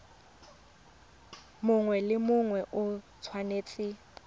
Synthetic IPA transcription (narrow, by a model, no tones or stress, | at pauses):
mʊŋwɛlɪmʊŋwɛʔʊ | t͡sʰwaneːt͡sʼɪ